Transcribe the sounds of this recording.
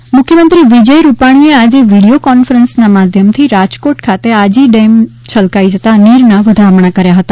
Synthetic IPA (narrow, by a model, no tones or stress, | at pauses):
mʊkʰjəmənt̪ɾiʋid͡ʒəjɾupaɽ̃iead͡ʒeʋiɽiokɔnfəɾənsnamad̪ʱjəmt̪ʰiɾad͡ʒkoʈkʰat̪ead͡ʒiɖem | t͡ʃʰəlkaid͡ʒət̪aniɾnaʋəd̪ʱamɳakəɾjaɦət̪a